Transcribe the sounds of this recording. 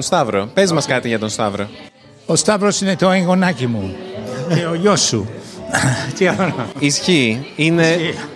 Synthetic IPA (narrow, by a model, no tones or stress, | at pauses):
nst̪ɐvɾo̞pe̞zmɐskɐt̪iʝɐt̪o̞nst̪ɐvɾo̞ | ost̪ɐvɾosine̞t̪oeŋɡo̞nɐcimu | eoʎosːṵ | t̪iɐonisçiine̞